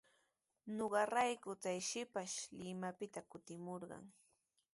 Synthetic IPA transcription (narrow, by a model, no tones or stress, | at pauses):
noɢɑɾajkʊt͡sajʃɪpaʃlɪmapɪt̪akʊt̪ɪmoɾɢɑ̰ŋ